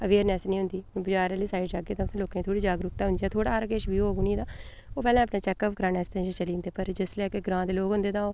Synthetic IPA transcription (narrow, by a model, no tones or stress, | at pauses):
əʋeːɾnɛːsnĩːɦʊ̃nd̪iːbəd͡ʒaːɾãːliːsaːɪɖd͡ʒaːɡeːt̪ãːpʰːloːkãːt̪ʰoːɽiːd͡ʒaːɡɾʊkt̪aːɦʊnd͡ʒ̪ijaːt̪ʰoːɽaːəɾkeːʃbiːoːɡʊnĩːd̪aː | oːpɛːlãːəpnaːt͡ʃɛːkəːpɡɾãːnɛːst̪ɛ̃nʃət͡ʃəliːnd̪eːpəɾd͡ʒɪslɛːkeɡɾãːd̪eːloːkɦʊ̃nd̪eːt̪ãːoː